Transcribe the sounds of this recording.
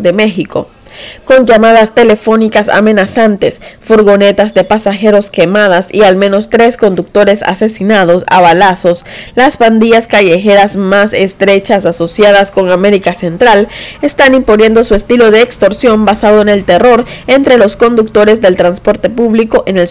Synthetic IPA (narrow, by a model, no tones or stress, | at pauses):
d̪eme̞xiko̞̰ | ko̞nd͡ʒamaðast̪e̞le̞fo̞nikasa̰mẽ̞nasant̪e̞sfuɾɣo̞ne̞t̪azðe̞pasaxe̞ɾo̞ske̞mað̞asḭalmẽ̞no̞st̪ɾe̞sko̞nd̪uk̚t̪o̞ɾe̞sa̰se̞sinaðo̞sa̰βalaso̞slaspand̪iʝaskaʝe̞xe̞ɾasmase̞st̪ɾe̞t͡ʃasaso̞sjaðasko̞ŋame̞ɾikase̞nt̪ɾale̞st̪animponje̞nd̪o̞sue̞st̪ilo̞ðe̞ːkst̪o̞ɾsjo̞mbasaðo̞ene̞lt̪e̞ro̞ɾe̞nt̪ɾe̞lo̞sko̞nd̪uk̚t̪o̞ɾe̞zðe̞lt̪ɾanspo̞ɾt̪e̞puβliko̞ʔenel